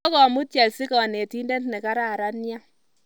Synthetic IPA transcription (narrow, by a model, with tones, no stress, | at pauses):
kɔ˨mu˦tja˨lsi˦kɔ˨ne˨ti˦ndɛ˦tnɛ˨ka˦ɾa˨ɾa˦nja˦